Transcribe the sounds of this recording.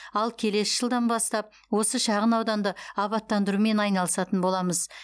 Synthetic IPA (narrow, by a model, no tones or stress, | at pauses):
ɑlˠkʲʰe̞le̞sɪʒ̥əlˠd̪ɑnbɑst̪ɑp̚ | wo̞səʃɑʁənɑwd̪ɑnd̪əɑβɑt̪ːɑnd̪əɾume̞nɑjnɑlˠəsɑt̪ənbo̞lˠɑməz